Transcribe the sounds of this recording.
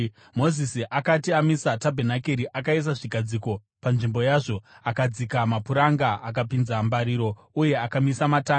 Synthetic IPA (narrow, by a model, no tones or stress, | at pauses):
mo̞zisiʔakatiamisatabʱenakeɾiʔakais̬aʐiɡʱad͡ziko̞ | panʐimbo̞jaːʐo̞akad͡zikamapuɾaŋɡaʔak̬apinzambaɾiːɾo̞ | uje̞akamisamata